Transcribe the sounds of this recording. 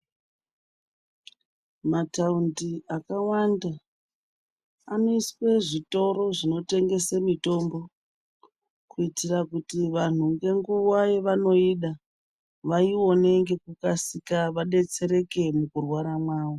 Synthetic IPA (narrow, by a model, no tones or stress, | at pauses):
mataundiakawanda | ano̞iswe̞ʐito̞ɾo̞ʐino̞te̞ŋɡe̞semito̞mbo̞ | kuitirakutiʋan̤uŋɡe̞ŋɡuwajeʋano̞iɗa | ʋaio̞ne̞ŋɡe̞kukasikaʋaɗe̞t͡se̞ɾe̞ke̞mukurwaɾamwaːwo